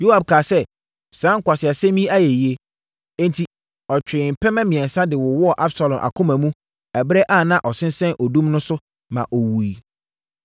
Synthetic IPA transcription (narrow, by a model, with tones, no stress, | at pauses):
jo˦ha˨b̚kʰaː˨sɛ˦ | sã˨˦ŋ̩˦kʰʷa˨sɪ˨a˨sɛ̃˦mĩ˦a˦jɛ˨ji˨˦e˦ | ẽ˦ntʰi˨ | ɔ˨t͡ɕᶣɪ˨m̩˨pʰɛ˦mɛ̃˦mĩ˨ɛ̃˨n˨sã˦dɪ˨wʊ˨wɔ˦˨ʔa˦bsa˨lɔ̃˨mʔa̰˨kʰʊ̃˦mæ̃˨mũ˦ | æ˨bɾɛ˦ʔa˦˨nã˦ʔɔ˨sɪ̃˦n˦sɛ̃˦nʔɔ˨dũ˦mnʊ̃˦sʊ˦ | mã̰˨ʔɔ˨wu˨i˨